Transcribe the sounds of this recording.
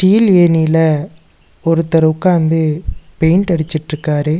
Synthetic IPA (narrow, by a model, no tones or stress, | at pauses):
ʈiːleːnilɐ | ɔɾɯt̪ːɐɾɐʊkːaːnd̪ɯpejɳʈɐɽɪt͡ʃːɪʈːɾɯkːaːɾɯ